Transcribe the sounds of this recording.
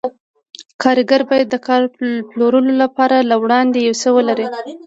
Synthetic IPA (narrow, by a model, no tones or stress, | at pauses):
kʰɑɾɪɡaɾbɑjad̪ːəkɑɾploɾəlolapɑɾalawɽɑnd̪ejawsəwəlaɾi